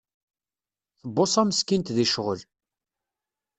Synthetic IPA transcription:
θəbːosˤæməskint̪ðiʃʁəl

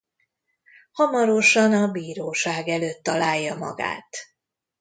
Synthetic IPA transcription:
hɒmɒɾo̞ʃɒnɒbiːɾoːʃaːɡɛløːt̪ːɒlaːjːɒmɒ̰ɡa̰ːt̪

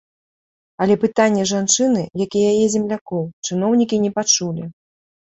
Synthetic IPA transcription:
ɐlʲɛpɨt̪anʲːɛʐant͡ʂɨnɨjakijajɛzʲɛmlʲakɔwt͡ʂɨnɔwnʲikʲinʲɛpat͡ʂulʲi

